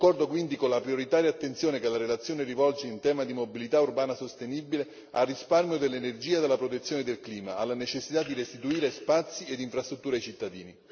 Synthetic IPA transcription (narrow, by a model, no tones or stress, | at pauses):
akːɔrd̪okwind̪ikolapɾjoɾit̪aːɾjaːt̪ːent̪sjoːnekelaɾelat̪sjoːnerivɔlt͡ʃeint̪ɛːmad̪imobilit̪aurbaːnasost̪enibile | a̰rːisparmjod̪elːenerd͡ʒiːad̪alapɾot̪et̪sjoːned̪elkliːmaalːanet͡ʃesːit̪ad̪iɾest̪it̪uiːɾespat̪sːied̪iɱfɾast̪ɾut̪ːuːɾajt͡ʃit̪ːad̪ḭːni